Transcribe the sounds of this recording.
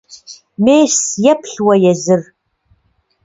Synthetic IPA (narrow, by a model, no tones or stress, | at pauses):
meːsjɛpɬwɐjɛzɨr